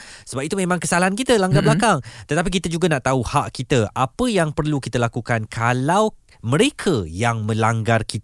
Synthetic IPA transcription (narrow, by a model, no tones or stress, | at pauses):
səbap̚it̪umẽmãŋkəsalaɦankit̪əlaŋɡablakaŋt̪ət̪ap̬ik̬it̪əd͡ʒuɡanaʔt̪auhaʔkit̪əapəjaŋpərlukit̪əlakukankʰalaw | mə̃ɾekʰəjaŋmə̃laŋɡarkit̪